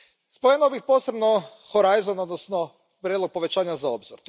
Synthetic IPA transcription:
spojenobixpo̞ːse̞bno | xoɾajzonod̪nosno | pɾjed̪loɡ̚po̞ʋe̞t͡ɕaːɲazao̞bziɾ

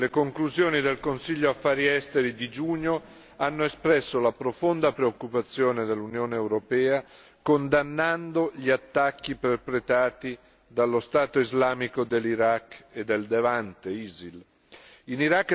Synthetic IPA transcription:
lekoŋkluzjoːnid̪elkonsiʎːoafːaːɾiɛst̪eɾid̪id͡ʒuɲːo | anːoespɾɛsːolapɾofond̪apɾeokːupat̪sːjoːned̪elːunjoːneːwɾopɛːa | kond̪anːand̪oʎiat̪ːakːiperpɾet̪aːt̪i | d̪alːost̪aːt̪oizlaːmikod̪elːiɾakːed̪ːeld̪evant̪eiːzil | iniɾakː

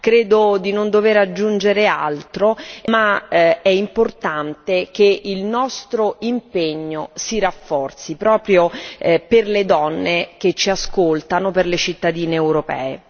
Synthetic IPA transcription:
kɾeːd̪od̪inond̪oveɾad͡ʒːund͡ʒeɾea̰lt̪ɾomaɛimport̪ant̪ekeilnɔst̪ɾoimpeɲːosiɾafːɔrt̪sipɾɔːpɾjoperled̪ɔnːek̟et͡ʃːiaskolt̪anoperlet͡ʃit̪ːad̪iːneːwɾopɛ̰ːḛ

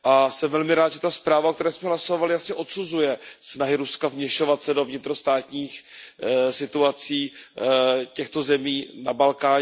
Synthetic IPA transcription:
ʔasɛmvɛlmɪɾaːt̪ʒɛt̪aspɾaːvaok̚t̪ɛɾɛːsmɛɦlaso̞valɪjasɲɛʔo̞t̪suzujɛsnaɦɪɾuskavmɲɛʃo̞vat̪sɛdo̞vɲɪt̪ɾost̪aːt̪ɲiːx | sɪt̪uat͡siː | cɛxt̪ozɛmiːnabalkaː

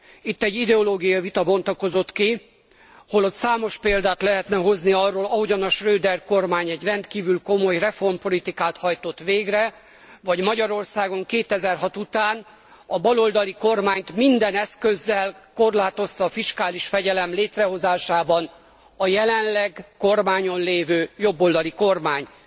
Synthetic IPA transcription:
it̪ːɛɟːid̪ɛoloːɡijɒivit̪ɒbo̞nt̪ɒko̞zo̞t̪ki | ho̞lo̞t̪saːmo̞ʃpeːld̪aːt̪lɛɦɛt̪nɛɦo̞zniɒrːoːlɒɦo̞ɟɒnɒʃrøːd̪ɛrko̞rmaːɲɛɟrɛnt̪kiːvylko̞mo̞jrɛfo̞rmpo̞lit̪ikaːt̪hɒjt̪o̞t̪ʋeːɡrɛ | vɒɟmɒɟɒɾo̞rsaːɡo̞ŋkeːt̪ɛzɛrɦɒt̪ut̪aːn | ɒbɒlo̞ld̪ɒliko̞rmaːɲt̪mind̪ɛnɛskø̞zːɛlko̞rlaːt̪o̞st̪ɒːfiʃkaːliʃfɛɟɛlɛmleːt̪rɛɦo̞zaːʃaːbɒn | ɒjɛlɛnlɛɡko̞rmaːɲo̞nleːvøːjo̞bːo̞ld̪ɒliko̞rmaːɲ

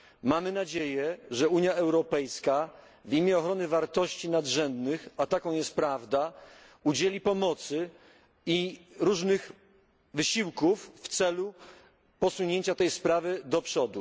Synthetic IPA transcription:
mamɘnad͡ʑejɛʐɛuɲjaɛwɾɔpɛjska | vimʲjɛɔxɾɔnɘvaɾt̪ɔɕt͡ɕinad̪ʐɛnd̪nɘxat̪akɔ̃w̃jɛst̪̚pɾavd̪a | ud͡ʑelʲipɔmɔt̪sɘ | iɾuʐnɘx | vɘɕiwkufft̪sɛlu | pɔsuɲeɲt͡ɕat̪ɛjspɾavɘd̪ɔpʂɔd̪u

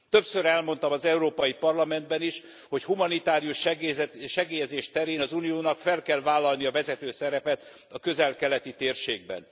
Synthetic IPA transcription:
t̪ø̞psøɾɛlmo̞n̪t̪ɒmɒzɛuɾoːpɒjipɒrlɒmɛnd̪bɛniʃ | ho̞chumɒnit̪aːɾijuʃ | ʃɛɡeːjɛzeːʃt̪ɛɾeːnɒzunijoːnɒkfɛlkɛlvaːlːɒlniɒvɛzɛt̪øːsɛɾɛpɛt̪ | ɒkøzɛlkɛlɛt̪it̪eːrʃeːɡ̚bɛ̰n

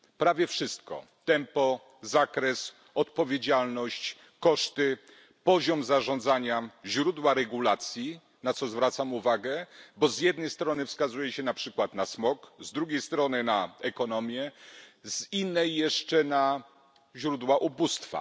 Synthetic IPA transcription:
pɾavʲjɛfʂɘst̪kɔ̰ | t̪ɛmpɔ | zakɾɛs | ɔt̪̚pɔvʲjed͡ʑalnɔɕt͡ɕ | kɔʂt̪ɘ | pɔʑɔmzaʐɔ̃nd̪zaɲaʑɾud̪waɾɛɡulat̪sʲji | nat̪sɔzvɾat̪samuvaɡɛbɔzjɛd̪̚nɛjst̪ɾɔnɘfskazujɛɕɛnapʂɘkwat̪nasmɔkzd̪ɾuɡʲejst̪ɾɔnɘnaɛkɔnɔmʲjɛzinːɛjːɛʂt͡ʂɛna | ʑɾud̪waʔubust̪fa̰

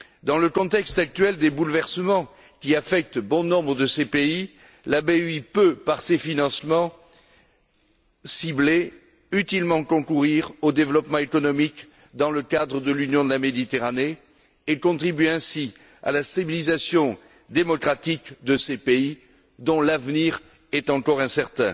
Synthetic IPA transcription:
d̪ɑ̃ləkɔ̃t̪ɛkst̪ak̚t̪ɥɛld̪ebulvɛʁsəmɑ̃ | kʲiafɛk̚t̪bɔ̃nɔ̃bʁəd̪əsepei | labeipøpaʁsefinɑ̃smɑ̃ | sible | yt̪ilmɑ̃kɔ̃kuʁiʁod̪evlɔpmɑ̃ekɔnɔmik | d̪ɑ̃ləkad̪ʁəd̪əlynjɔ̃d̪əlamed̪it̪eʁane | ekɔ̃t̪χibɥeɛ̃si | a̰last̪abilizasjɔ̃ | d̪emɔkχat̪ikd̪əsepei | d̪ɔ̃lavniʁ | ɛt̪ɑ̃kɔʁɛ̃sɛʁt̪ɛ̰̃

